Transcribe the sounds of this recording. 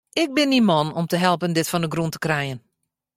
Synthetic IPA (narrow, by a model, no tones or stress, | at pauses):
ɪk̚bɪnimɔnɔmtəɦɛlˠpəndɪtfɔndəɡruntə̥krɛjən